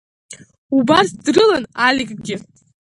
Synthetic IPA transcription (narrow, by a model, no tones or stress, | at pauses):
ubarsdrɨlənalʲikʼɡʲɪ